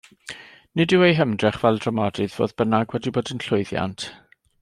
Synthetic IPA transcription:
nɪdɨwejɦəmdrɛχvɛlˠdramɔdɨðvo̰ːðb̥ənaɡwɛdiboːdənɬʊɨðja̰ntʰ

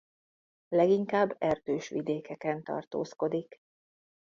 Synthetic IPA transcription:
lɛɡiŋkaːbːɛrd̪øːʃʋḭd̪eːkɛkɛnt̪ɒ̰rt̪o̰ːsko̞d̪ik

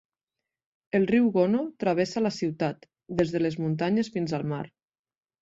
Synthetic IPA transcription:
elˠriwɣonot̪ɾaβ̞ɛsalasiwt̪at̪ | d̪ezðəlezmunt̪aɲesfinzalˠma̰ɾ

